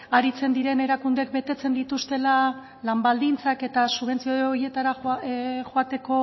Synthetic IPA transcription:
aɾit͡se̞nd̪iɾe̞ne̞ɾakund̪ek̚be̞t̪e̞t͡se̞nd̪it̪ust̪e̞la | lambald̪int͡sake̞t̪asuβe̞nt͡siooie̞t̪aɾa | xoat̪e̞ko̞

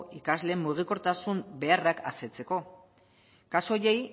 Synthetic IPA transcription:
ikazle̞mːuɣ̞iko̞ɾt̪asumbe̞araka̰se̞t͡se̞ko̞ | kaso̞je̞j

